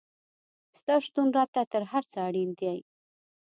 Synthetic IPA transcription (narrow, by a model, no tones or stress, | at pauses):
st̪ɑʃt̪unɾɑt̪at̪əɾɦaɾt͡səaɽind̪jaj